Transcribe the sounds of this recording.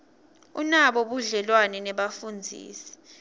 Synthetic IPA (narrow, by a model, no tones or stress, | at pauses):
unaɓɔɓuɮɛlwanɛnɛɓafund͡zʱḭːsi̥